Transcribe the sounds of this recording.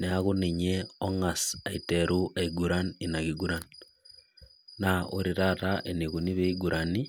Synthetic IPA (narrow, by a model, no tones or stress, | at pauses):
neaɣuniɲeoŋasaiteɾuʔeiɡuɾaninaɣiɡuɾan | nao̰ɾiɾataʔeniɣuniβeiɡuɾʔani